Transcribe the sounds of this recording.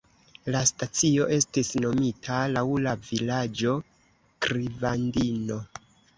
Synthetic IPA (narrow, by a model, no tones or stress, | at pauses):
lastat͡sio̞ʔe̞stisno̞mitʰalawlavilad͡ʒo̞ | kɾivandino̞